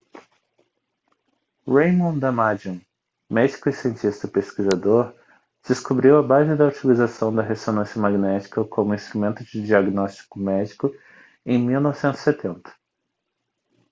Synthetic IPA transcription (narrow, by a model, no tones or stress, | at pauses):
ɾejmõw̃d̪ɐmad͡ʒĩ | mɛd͡ʒikʊisiẽnt͡ʃist̪ɐpeskizad̪oɾ | d͡ʒ̥ɪskubɾiwɐbazɪd̪ɐut͡ʃilizasɐ̃w̃d̪ɐɦesonɐ̃sjɐmaɡnɛt͡ʃi̥kɐkʰõmʊĩst̪ɾumẽnt̪ʊd͡ʒɪd͡ʒiaɡnɔst͡ʃi̥kʊmɛd͡ʒikʊ | ẽj̃miwnɔvɪsẽnt̪zi̥set̪ʰẽnt̪ɐ̥